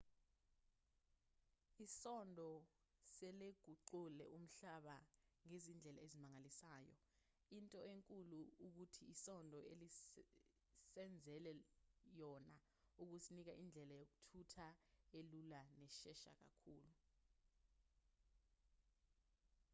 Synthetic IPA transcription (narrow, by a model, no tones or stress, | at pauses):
isɔndʱɔ | sɛleɡ̥ʱuǃulɛ̰ʔum̩ɬaɓaŋezind͡ɮʱɛla̰ezimaŋalisaːjɔ̰ | intʼɔeŋkʼuluuk̬utʰiːsɔndʱɔeli | sɛnd͡zʱɛlɛjɔna | uk̬usinik̬aʔind͡ɮʱɛlajok̬utʰutʰaelulanɛʃɛʃa̰k̬a̰kʰuːlu